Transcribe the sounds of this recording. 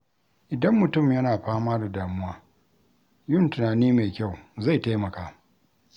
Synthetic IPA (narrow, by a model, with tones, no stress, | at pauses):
ʔɪ˨dɐ˦mːʊ˨tʊ˦˨mjɐ˦naː˨ɸaː˦maː˦da˨daː˨mʊ˦waː˦ | jʊ˦ntʊ˨naː˨niː˦ma˨kʲa˦˨wza˦˨jta˦jmɐ˨kaː˨